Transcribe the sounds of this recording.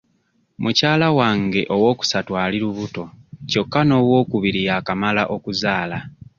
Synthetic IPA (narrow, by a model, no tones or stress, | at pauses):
mucaːlawaːŋɡe̞ʔo̞wo̞ːku̥satwaːliɾuβuto̞co̞kːano̞ːwo̞ːkuβiɾijakamalaʔo̞kuzaːla